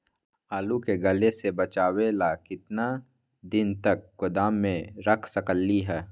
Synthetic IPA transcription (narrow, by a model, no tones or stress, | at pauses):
aːlukeɡɐlesebɐt͡ʃaːwelakɪt̪na | d̪ɪnt̪ɐkːʊd̪aːmːẽɾɐkʰsɐkəlːiɦɛː